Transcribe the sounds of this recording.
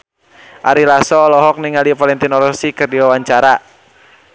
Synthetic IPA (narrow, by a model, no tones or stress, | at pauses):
ʔaɾilasɔːlɔɦɔk̚niŋalipalɛnt̪inɔlɔsikərdiwawaɲt͡ʃaɾa